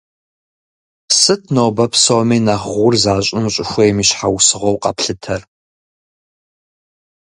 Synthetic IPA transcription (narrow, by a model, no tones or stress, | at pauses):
sɨtʰnoːbɐpʰsomiːnaχʷʊrzaːɕʼɪmɕʼʊxʷejmiːɕħawsɨʁʷowqɐpɬɨtʰɐr